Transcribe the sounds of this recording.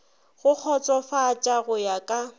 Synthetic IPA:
ɣʊk͡xʰɔt͡sʼɔfaːt͡ʃʼaɣʊjakʼa

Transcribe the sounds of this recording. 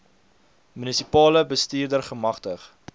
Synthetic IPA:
mynisipɑːləbəstiːrdərχəmɐχtəχ

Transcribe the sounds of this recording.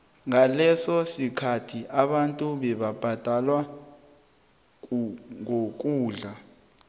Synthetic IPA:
ŋalɛsɔsikʰatʰiʔaɓantʼuɓɛɓab̥ʱad̥ʱalwa | ŋok̬ʼuːɮa

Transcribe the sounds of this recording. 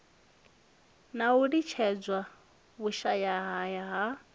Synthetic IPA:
nauɺit͡ʃʰɛd͡zwa | βuʃajaɦajaɦa

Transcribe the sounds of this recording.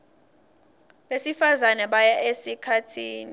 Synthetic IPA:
ɓesifazanɛɓajaʔesikʰatʰiːni

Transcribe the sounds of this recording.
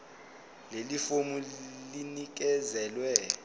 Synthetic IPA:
lelifomulinik̬ɛzɛlwɛ

